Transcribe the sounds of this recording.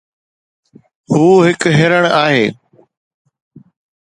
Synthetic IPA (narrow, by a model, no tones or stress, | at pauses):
huːɦɪkɦeɾəɽ̃aːɦeː